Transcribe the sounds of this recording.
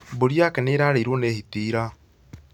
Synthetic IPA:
boɾjakɛneɾaɾeiɾwɔnehitiːɾa

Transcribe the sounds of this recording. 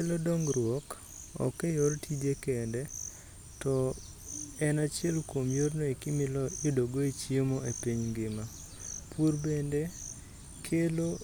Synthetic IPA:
elodoŋɡɾwɔk | ɔ̰kejortʰid͡ʒekende | tɔ | ɛnat͡ʃɪɛlkomjornoekɪmɪlɔedoɡoet͡ʃiomɔʔepiɲŋɡɪma | purbende | kʰelo

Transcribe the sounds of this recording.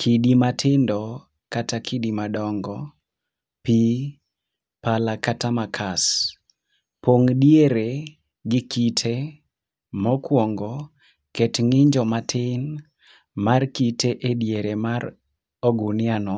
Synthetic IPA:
kʰidimatʰɪndɔ | katakʰidimadɔŋɡɔ | pi | palakatamakʰas | poŋdjeɾe | ɡɪkitʰe | mɔkwɔŋɡɔ | kɛtŋɪɲd͡ʒɔmatʰɪn | markiteʔedjeɾemar | oɡunɪanɔ

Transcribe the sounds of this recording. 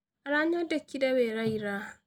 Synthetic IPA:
ʔaɾaːɲodɐkʲːidɐweːɾajɾaː

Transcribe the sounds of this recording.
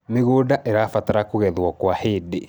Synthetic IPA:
meɣoːdaʔeɾafataɾakoɣɛðwɔkwaheːde

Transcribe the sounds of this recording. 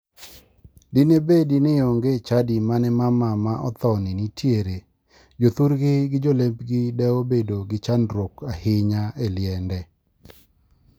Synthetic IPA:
dɪnebedinɪoŋɡet͡ʃadimanɛmamamaʔɔ̰t̪ɔnɪnitʰjeɾe | d͡ʒot̪uɾɡɪɡɪd͡ʒolembɡɪdɛobedoɡɪt͡ʃanɾwokahɪɲaeljɛndɛ

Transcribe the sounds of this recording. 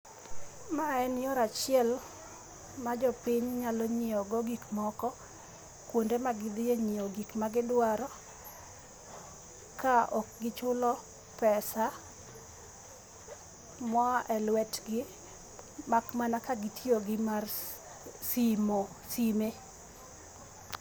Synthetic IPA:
maɛnɪjɔɾat͡ʃɪɛl | mad͡ʒɔpiɲɲalɔɲɪɔɡɔɡikmɔkɔ | kwondemaɡɪd̪ɪjeɲɪɔɡikmaɡɪdwaɾɔ | kaʔɔk̚ɡɪt͡ʃʊlɔ | pɛsa | mɔʔɛlwɛtɡɪ | makmanakaɡɪtʰjoɡɪmar | simo | sime

